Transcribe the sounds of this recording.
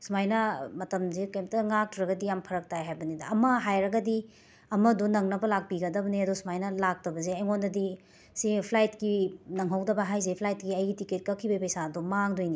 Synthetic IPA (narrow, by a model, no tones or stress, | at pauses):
smajnɐmɐtɐmzekɐjmtɐŋak̚tʰuɾɐɡɐdijampʰɐɾɐk̚tajɦajbɐnidɐɐmɐɦajɾɐɡɐdi | ɐmɐdunɐŋnɐbɐlak̚piɡɐdɐbɐneɐdosumajnɐlak̚tɐbɐzeɐjŋondɐdi | sipʰlajtkinɐŋɦɐwdɐbɐɦajzepʰlajt̚ɡiɐjɡitiket̚kɐkʰːibɐpɐjsadumaŋdojni